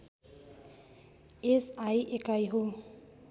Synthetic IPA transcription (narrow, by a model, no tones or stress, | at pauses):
esajʔekajɦo